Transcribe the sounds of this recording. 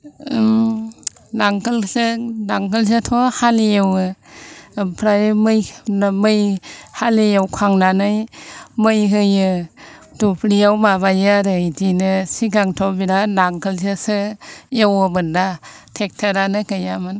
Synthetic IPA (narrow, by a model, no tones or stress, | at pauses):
m | naŋkʰɯlsɯdaŋkʰɯlsɯtʰɔhalijewɯ | pʰɾajmɯjnmɯjhalijawkʰaŋnanɯjmɯjɦɯjɯ | dupʰlijawmaβajaɾɯjdinɯsiɡaŋtʰɔbiɾanaŋkʰɯlsɯsɯjewɯbɯnda | tʰek̚tʰaɾanɯkɯjamɯn